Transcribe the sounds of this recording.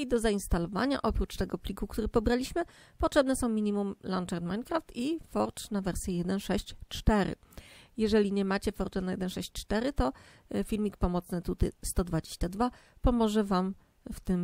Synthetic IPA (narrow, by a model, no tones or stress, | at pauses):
d̪ɔzainst̪alɔva̰ɲa̰ʔɔpɾut͡ʂt̪ɛɡɔplʲikukt̪uɾɘpɔbɾalʲiɕmɘpɔtʂɛbnɛsɔ̃w̃mʲiɲimumlant͡ʂɛɾt̪maɲkɾaft̪ifɔɾt͡ʂnavɛɾsʲjɛjɛd̪ɛnʂɛɕt͡ɕt͡ʂt̪ɛɾɘ̰ | jɛʐɛlʲiɲɛmat͡ɕɛfɔɾt͡ʂɛnajɛd̪ɛnʂɛɕt͡ɕt͡ʂt̪ɛɾɘt̪ɔ | fʲilmʲik̚pɔmɔt̪snɘt̪ut̪ɘ̰st̪ɔd̪vad͡ʑeɕt͡ɕad̪vapɔmɔʐɛvam | ft̪ɘm